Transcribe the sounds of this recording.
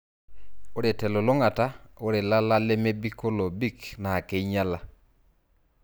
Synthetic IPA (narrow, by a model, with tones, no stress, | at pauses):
o˦ɾe˨tɛ˨lo˨lo˦ŋa˨ta˦o˦ɾe˨la˦la˦le˦me˦bi˦ko˦lo˨bi˦kna˨ke˨i˦ɲa˦la˨